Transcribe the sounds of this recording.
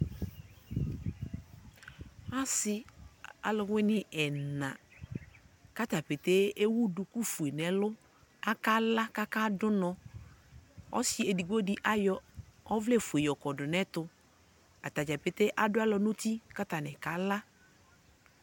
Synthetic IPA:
a˦sɪ˦a̰˦lʊ˨wɪ˦nɪ˨ʔɛ˨nã̰˨ | ka˦t̪a˨pe˨t̪e˦e˦wu˦dʊ˨ku˦fu˨e˨nɛ˨lʊ˦ | a˦ka˦la˦ka˦ka˦dʊ˦nɔ̃˨ | ɔ̰˦si˦e˨di˨ɡɔ˦di˦ʔa˦jɔ˦ɔ˦vlɛ˦˨fu˨e˨jɔ˨kɔ˨dʊ˨nɛ˦tʊ˨ | a˨t̪a˨d͡ʒa˨pɪ˨t̪e˦ʔa˨dʊ˦a˦lɔ˨no˦t̪i˦ka˦t̪a˨nɛ˨ka˨˦la˦

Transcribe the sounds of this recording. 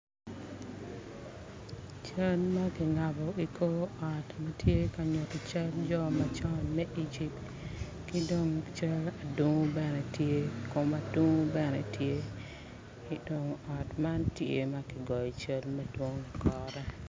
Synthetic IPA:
t͡ʃɐ˦lma˦kɪ˨ŋa˨bɔ˨i˨kʰo˦ɔ˨tmɐ˦tje˦ka˨ɲo˨tɔ˨t͡ʃa˦ld͡ʒɔ˦mɐ˦t͡ʃɔ˦nmɛ˦ʔi˦d͡ʒi˨pt | ki˦do˦ŋt͡ʃɐ˦la˨du˦ŋ˦bɛ˦nɛ˨tje˦ko˦ma˨du˦ŋu˦bɛ˦nɛ˨tje˦ | ki˦do˨ŋɔ˨tma˦ntje˦mɐ˦kɪ˨ɡɔ˨jɔ˨t͡ʃɐ˦lmɐdwo˦ŋi˨kʰɔ˦ɾɛ˦

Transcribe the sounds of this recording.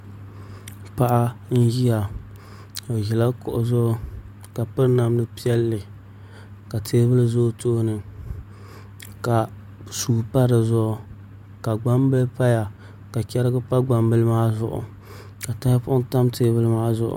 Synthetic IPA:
pa˦ʔa˦n̩˦ji˦ja˨ | o˨jɛ˨la˦kʊ̰˨ʔʊ˨zʊ˦ | ka˨pɨ˦ɾna˨mnɨ˦pi˦ɛ˦lːɨ˨ | ka˨tʰeː˦bɨ˦lɨ˦zo˦to˦nɨ˨ | ka˨ | suː˨pa˦ɾɨ˨zɔ˦˨ | ka˨ɡ͡ba˦mbɨ˦lpa˦ja˨ | ka˨t͡ʃɛ˦ɾɪ˦ɡɨ˦pa˦ɡ͡ba˨mbɨ˦lɨ˦maː˦zʊ˦ʔʊ̰˨ | ka˨ta˦hpʊ˦ʔʊ˦n˦ta˦mtʰeː˦bɨ˦lɨ˦maː˦zʊ̰˨ʔʊ̰˨

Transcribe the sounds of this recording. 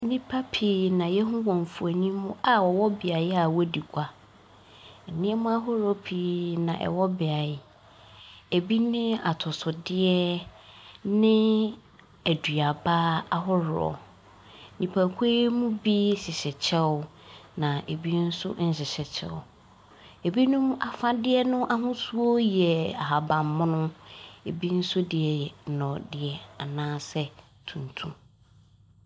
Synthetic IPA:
nĩ˦pʰa˦pʰi˨nã˨jɛ˦ɦʊ̃˦wɔ̃˨ɱ˨fu˨æ˨ɲĩ˦mʊ̃˦a˨wɔ˨wɔ˦bɪ˨a˨ja˨wɔ˦di˨ɡʷa˦˨ | nɪ̃˦ɛ˦mʊ̃˦a˦ɦʊ˦ɾɔ˦pʰi˨nã̰˨ʔɛ̰˨wɔ˦bɪ˨a˨ɪ˨ | e˨bi˦nɪ̃˦a˨tʰʊ˨sʊ˨dɪ˦ɛ˦ | nɪ̃˦ | æ˨dɥa˨baː˦a˨ɦʊ˦ɾɔ̰˨ | nĩ˨pʰa˨kʰʷe˦mũ˦bi˦ɕɪ˨ɕɛ˨t͡ɕʰɛ˦nã˨ʔe˨bi˦n̩˦sʊ̰˦n̩˨˦ɕɪ˨ɕɛ˨t͡ɕʰɛ̰˦ʊ˨ | e˨bi˦nʊ̃˦ma˨fã˦dɪ˦ɛ˦nʊ̃˦ʔa˦ɦʊ̃˦su˦o˦jɛ˨a̰˨ɦa˨bã˨mːʊ̃˦nʊ̃˦e˨bi˦n̩˦sʊ˦dɪ˨ɛ˨jɛ˨nɔ̃˨dɪ˨ɛ˨a˨nãː˦sɛ˦ | tʰũ˨n˨tʰũ˦

